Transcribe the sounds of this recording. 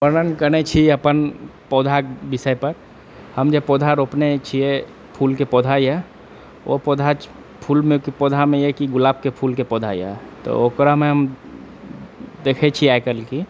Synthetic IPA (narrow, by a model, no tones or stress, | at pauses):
pəɾnənkənet͡ʃʰiəpənpɔːd̪ʱakbɪsəjpəɾ | həmd͡ʒəpoːd̪ʱaɾoːpnet͡ʃʰie | pʰuːlkepɔːd̪ʱajɛ | o̰poːd̪ʱat͡ʃ | pʰuːlmẽkipoːd̪ʱamẽjekiɡʊlaːb̚kepʰuːlkepɔːd̪ʱa̰iḛt̪o̰oːkɾamẽɦəm | d̪eːkʰet͡ʃʰiajkəlki